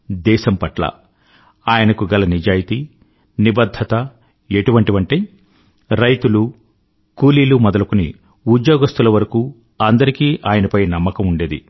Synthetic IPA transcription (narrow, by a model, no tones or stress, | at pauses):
d̪ɛːʃɐmpɐʈlɐ̰ | aːjɐnɐkuɡɐlɐnid͡ʒaːjit̪i | nibɐd̪ʱːɐt̪ɐ | eʈuʋɐɳʈiʋɐɳʈe | ɾɐjt̪ulu | kuːliːlumɔd̪ɐlɐkunḭ | ud̪joːɡɐst̪ulɐʋɐɾɐkuː | ɐnd̪ɐɾikiːʔaːjɐnɐpɐjnɐmːɐkɐmuɳɖe̞ːd̪ḭ